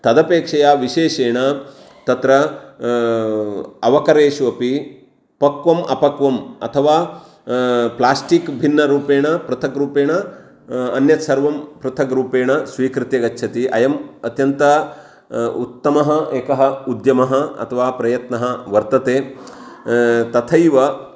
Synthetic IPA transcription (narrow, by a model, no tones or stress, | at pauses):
t̪ɐd̪ɐpeːkʂɐjaːʋiʃeːʃeːɳɐ | t̪ɐt̪ɾɐ | ɐʋɐkɐɾeːʃʋɐpi | pɐkʋɐmʔɐ̰pɐkʋɐmɐ̰t̪ʰɐʋaː | plaːsʈikbʱinːɐɾuːpeːɳɐpɾɐt̪ʰɐkɾuːpeːɳɐː | njɐsɐɾʋɐmpɾɐt̪ʰɐkɾuːpeːɳɐsʋiːkɾɪt̪jɐɡɐtːʃʰɐt̪iʔɐjɐmɐt̪jɐnt̪ɐ | ṵt̪ːɐmɐɦɐeːkɐɦɐud̪jɐmɐɦɐɐ̰t̪ʰɐʋaːpɾɐjɐt̪nɐɦɐʋɐɾt̪ɐt̪eː | t̪ɐt̪ʰɐjʋɐ